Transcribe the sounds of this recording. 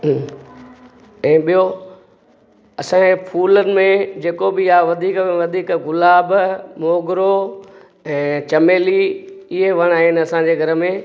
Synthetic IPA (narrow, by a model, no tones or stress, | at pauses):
ɛ̃ːɓijo | ɐsãːepʰuːlənɪ̆mẽd͡ʑeːkobɪjaʋɐd̪ʱiːkẽʋɐd̪ʱiːkɣʊlaːbmoːɡɾo | ɛ̃ːt͡ɕɐmeːliɪɦeʋɐɽ̃aːɦɪnɪɐsãd͡ʑeːɡʱɐɾə̆mẽː